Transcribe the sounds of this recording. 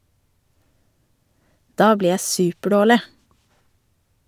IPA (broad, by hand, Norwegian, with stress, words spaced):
ˈdɑː ˈbliː ˈjæ ˈsʉːpəˌɖoːɭɪ